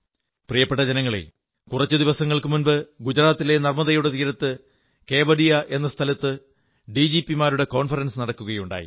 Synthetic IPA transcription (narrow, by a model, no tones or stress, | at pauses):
prijɐpːe̞ʈːɐd͡ʑɐnɐŋːɐɭḛ | kurɐt͡ɕːɨd̪iʋɐsɐŋːɐɭkɨmunbɨɡud͡ʑɐɾaːt̪ːile̞nɐrmɐðɐjuɽet̪iːɾɐt̪ːɨ | ke̞ːʋɐɖijɐʔe̞nːɐst̪ʰɐlɐt̪ːɨ | ɖid͡ʑipːimaːɾuɽe̞ko̞ːnfɐrɐnsɨnɐɽɐkːuɣɐjuɳɖa̰ːjḭ